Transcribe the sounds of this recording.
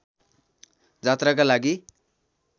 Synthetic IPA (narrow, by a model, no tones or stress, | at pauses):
d͡zat̪rakalaɡi